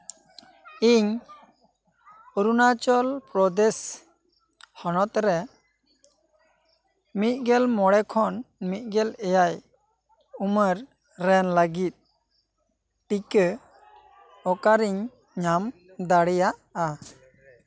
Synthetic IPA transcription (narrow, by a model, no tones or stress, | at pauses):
iɲ | uɾunat͡ʃɔlpɾɔd̪ɛs | hɔnɔt̪ɾɛ | mit̪̚ˀɡɛlmɔɽɛkʰɔnmit̪̚ˀɡɛlɛjaj | uməɾː | ɛnləɡit̪̚ | ʈikə | ɔkaɾiɲ | ɲam | d̪aɽɛjaʔa